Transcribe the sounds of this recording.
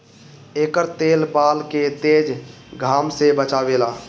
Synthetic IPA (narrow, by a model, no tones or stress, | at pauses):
eːkəɾt̪eːlbaːlket̪eːd͡ʒ | ɡʱaːmsebət͡ʃaːʋeːlaː